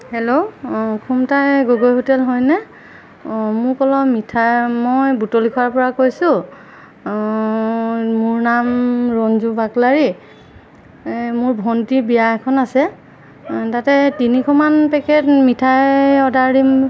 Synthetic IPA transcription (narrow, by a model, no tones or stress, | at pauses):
hɛlokʰumtajɡoɡojɦotɛlɦɔjnɛ | mʊɹkɔlɔmitʰajmojbutolikʰɔaɹpɔɹakojsʊ | mʊɹnamɹɔnzubaklaɹi | mʊɹbʱɔntibijakʰɔnasɛ | tatɛtinikʰɔmanpɛkɛtmitʰajɔdaɹim